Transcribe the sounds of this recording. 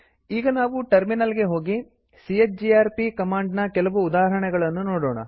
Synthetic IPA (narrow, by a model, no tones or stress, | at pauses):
iːɡɐnaːʋuʈɐɾminɐlɡe̞ɦo̞ːɡi | sijet͡ʃ̚d͡ʒiaːɾpikɐmaːɳɖnɐkɛlɐʋuːd̪aːɦɦɐɳɛɡɐɭɐnːunoːɽoːɳɐ̰